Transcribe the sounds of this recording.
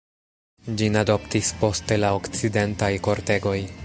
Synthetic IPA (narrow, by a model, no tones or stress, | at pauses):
d͡ʒinado̞ptispo̞ste̞laokt͡side̞ntajko̞ɾte̞ɡo̞j